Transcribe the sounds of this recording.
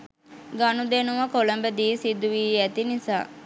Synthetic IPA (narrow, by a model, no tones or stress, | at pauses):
ɡanud̪enuʋɐkoləmbəd̪iːsid̪uʋiːæt̪inisa̰ː